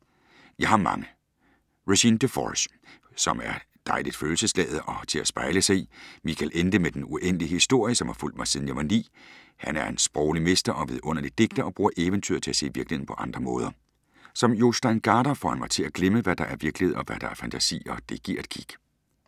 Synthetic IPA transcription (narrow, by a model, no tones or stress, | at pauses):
jɑ̈ɪhɑ̈mɑ̰̈ŋə | ʁuɕind̥efɒ̰s | sɒ̽mæɐ | d̥ɑ̈ɪlid̥føːl̩səslɛ̰ːð̞̩ˠʔɒ̽t͡sʰe̝læsb̥ɑ̈ɪləsɑ̈ɪḭmikʰælʔend̥əmed̥enuʔen̰əliəhisd̥o̝ɐ̰jəsɒ̽mhɑ̈ful̰d̥mɑ̈ɪsiðˠn̩jɑ̈ʋɑ̈nḭː | hænæɐe̝nsb̥ʁɒʊlime̝sd̥ɐʔɒ̽ʋeðˠʔɔ̽n̰ɐlid̥e̝ɡ̥̚d̥ɐʔɒ̽b̥ʁuːɐʔeʋənt͡sʰy̰ːɐt͡sʰe̝æse̝̰ːʋiɐ̥l̩ihe̝̰n̩pʰɒ̽ʔɑ̈nd̥ʁɐmɔ̽ːð̞ˠɐ | sɒ̽mjo̝sd̥æɪnɡ̥ɑːɾ̥ɐfɒ̰hænmɑ̈ɪt͡sʰe̝læɡ̥leməʋæd̥ɑ̈ʔæɐʋiɐɡ̥lihe̝ð̞ˠɒ̽ʋæd̥ɑ̈æɐfænt͡sʰæsḭːɒ̽d̥e̝ɡ̥iɐ̰ed̥̚kʰiɡ̥